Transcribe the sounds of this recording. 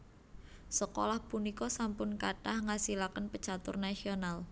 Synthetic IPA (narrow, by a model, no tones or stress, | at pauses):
səko̰lahpunikɔsampʊnkaɖ̥ahŋasilakənpət͡ʃat̪ʊ̰rnasional